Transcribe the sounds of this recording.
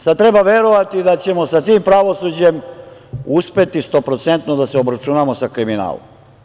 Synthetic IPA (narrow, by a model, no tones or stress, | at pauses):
sad̪t̪ɾe̞baʋe̞ɾoʋat̪id̪at͡ɕe̞mo̞sat̪iːmpɾaʋo̞sud͡ʑe̞m | uspe̞t̪ist̪opɾot̪sent̪nod̪aseobɾat͡ʃunaːmo̞sakɾimina̰ːlo̰m